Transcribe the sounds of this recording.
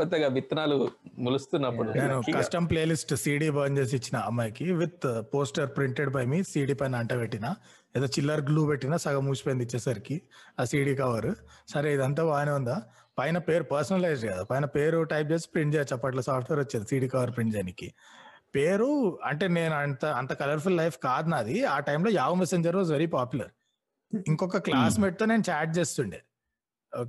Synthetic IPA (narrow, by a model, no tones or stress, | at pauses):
t̪ɐɡaʋit̪ːɐnaːlumulust̪unːɐpːuɽune̞ːnukɐsʈɐmpleːlisʈsiːɽiːbɐɐnd͡ʒeːs̬it͡ʃːinɐɐmːɐjkiʋit̪po̞ːsʈɐɾpɾiɳʈeɖbɐjmisiːɽiːpɐjnɐːɳʈɐːbeʈːinaː | ɛd̪oːt͡ʃilːɐɾɡluːpeʈːinasɐɡɐmuːspend̪it͡ʃːɛːsaɾikiaːsiːɽiːkɐʋɐɾsɐɾeid̪ɐnt̪̬aːbaːneund̪aː | pɐjnɐpe̞ːɾupɐɾsɐnɐlɐjzɖɡɐd̪apɐjnɐpe̞ːɾuʈɐjp̚t͡ʃe̞ːsi̥pɾiɳɖd͡ʒeːt͡ʃɐpːɐʈ̬lɐːsaːpʰʈʰʋeːɾot͡ʃːind̪isiːɽiːkɐʋɐɾpɾiɳd͡ʒeːnikːḭpe̞ːɾuɐɳʈe̞ːne̞ːnuɐnt̪ɐɐnt̪ɐkɐlɐɾpʰulːɐjpʰkaːd̪naːd̪iaːʈɐjmloːjaːʋɐmeseɲd͡ʒɐɾʋaːzʋeɾiːpaːpjulɐɾ | iŋkɔkːɐklaːsmeʈ̚t̪o̞ːne̞ːnut͡ʃaːʈ̚t͡ʃe̞ːst̪uɳɖi